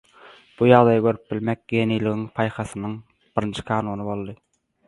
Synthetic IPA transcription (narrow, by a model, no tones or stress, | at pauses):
b̥ujɑʁd̪ɑjɑɡøɾyp̚bilmek̚ʲɡeniːliɣiŋpʰɑjχɑsɯnɯŋ | b̥iɾint͡ʃʰi̥kʰɑːnuːnɯbo̞lˠd̪ɯ